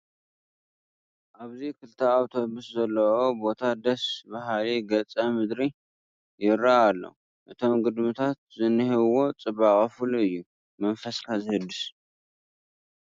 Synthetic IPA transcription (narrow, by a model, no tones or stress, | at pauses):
ʔaβzikʰɨlt̪ʰɐawt̪ʰo̞bɨszɐlːɐo̞bo̞t̪ʰad̪ɐsbaɦliɡɐt͡sʼɐmɨd̪ɾi | jɪɾaːlːo̰ | ʔɨt̪ʰo̞mɡɨd̪mɨt̪ʰat̪̚zɨnːɨhɨβo̞t͡sʼɨβakʼɐfuluɨjːu | mɐnfɐskʰazɨhɨd̪ːɨs